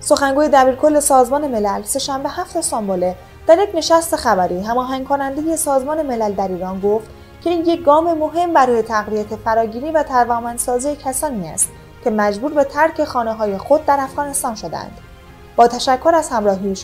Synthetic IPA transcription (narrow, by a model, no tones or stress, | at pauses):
so̞xæŋɡuːje̞d̪æbiːɾkʰolːe̞sɒːzmɒːne̞me̞lælse̞ʃæmbe̞hæft̪esɒːmbole̞ | d̪̥æɾjecne̞ʃæst̪e̞xæbæɾiːɦæmɒːɦæŋkʰo̞nænd̪e̞je̞sɒːzmɒːne̞me̞læld̪æɾiːɾɒːnɡo̞ft̪ | cʰe̞iːnjec̚ɡɒːme̞mo̞ɦe̞mbæɾɔːje̞t̪ʰæɣvijæt̪ʰefæɾɒːɟiːɾiːvæt̪ʰæɾvɒːmænsɒːzijecʰæsɒːniæ̰st̪ | cʲʰe̞mæd͡ʒbuːɾbe̞t̪ʰæɾcʰe̞xɒːneɦɒːje̞xo̞d̪̚ːæɾæfɣɒːne̞st̪ɒːnʃod̪ḛæ̰nd̪̥ | bɒːt̪ʰæʃækʰːo̞ɾæz̥hæmɾɒːɦiʃ